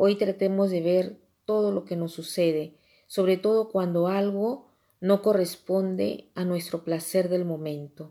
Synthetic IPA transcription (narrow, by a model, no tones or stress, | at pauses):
o̞jt̪ɾat̪emo̞zðe̞βe̞ɾ | t̪o̞ð̞o̞lo̞ke̞no̞sːuse̞ðe̞ | so̞βɾe̞t̪o̞ð̞o̞kwand̪o̞alɣo̞ | no̞ko̞re̞spo̞nd̪ḛanwe̞st̪ɾo̞plase̞ɾðe̞lmõ̞mẽ̞nt̪o̞